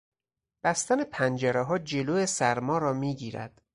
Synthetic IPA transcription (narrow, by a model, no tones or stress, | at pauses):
b̥æst̪ænepʰænd͡ʒæɾeɦɒːd͡ʒe̞loːesæɾmɒːɾɒːmiːɟiːɾæ̰d̪̥